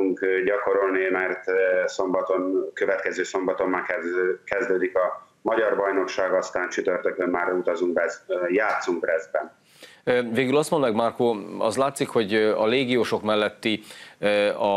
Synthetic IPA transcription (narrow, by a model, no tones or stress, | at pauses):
uŋkɟɒko̞ɾo̞lnimɛrt̪so̞mbɒt̪o̞nkøvɛt̪kɛzøːso̞mbɒt̪o̞mːaːkɛkɛzd̪øːd̪ikɒ | mɒɟɒrbɒjno̞kʃaːɡɒst̪aːnt͡ʃyt̪ørt̪økomaːɾut̪ɒzuŋk̚bɛzjaːt̪suŋkrɛzbɛ̰n | veːɡylɒst̪mo̞nd̪mɛɡmarkoɒ̰zlaːt̪sikho̞ɟɒleːɡijoːʃo̞kmɛlːɛt̪ːi | ɒ